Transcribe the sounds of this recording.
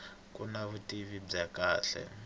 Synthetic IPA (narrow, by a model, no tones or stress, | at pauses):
kunaβutʼiβib͡ʐakaːɬɛ̰